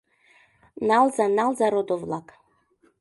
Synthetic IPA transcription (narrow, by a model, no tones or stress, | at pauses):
nalˠzanalˠzaɾod̪ovlˠak